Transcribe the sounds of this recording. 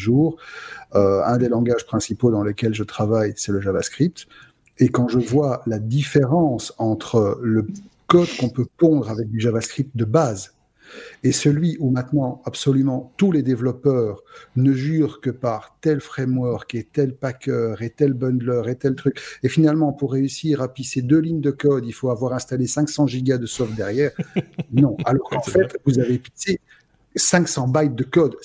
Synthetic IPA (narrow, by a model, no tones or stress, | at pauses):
ʒuːʁøɛ̃d̪elɑ̃ɡaʒpχɛ̃sipod̪ɑ̃lekʲɛlʒət̪χavajsɛləʒava̰skχip̚t̪ | ekɑ̃ʒəvwalad̪ifeʁɑ̃sɑ̃t̪χələkɔd̪kɔ̃pøpɔ̃d̪ʁavɛk̚d̪yʒavaskχip̚t̪̚d̪əbaːz | esəlɥiʔumɛ̃t̪nɑ̃apsɔlymɑ̃t̪uled̪evlɔpœːʁnəʒyːʁkəpaʁt̪ɛlfχɛmwœʁket̪ɛlpakʲœʁet̪ɛlbɑ̃nd̪lœʁet̪ɛlt̪χykefinalmɑ̃puʁːeysiʁapised̪øliɲd̪əkɔd̪ilfoavwaʁɛ̃st̪alesɛ̃ksɑ̃ʒiɡad̪əsɔfd̪ɛʁjɛʁnɔ̃alɔʁkɑ̃fɛt̪vuzavepise | sɛ̃ksɑ̃bajt̪̚d̪əkɔd̪